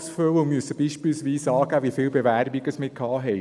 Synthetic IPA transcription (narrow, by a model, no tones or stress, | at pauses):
sføwʊmyəsəb̥iːʃpɪlsʋiːsɑːɡæʋifɪːlbeʋæːɾbɪɡ̥əsmɪkʰɑːɦɛɪ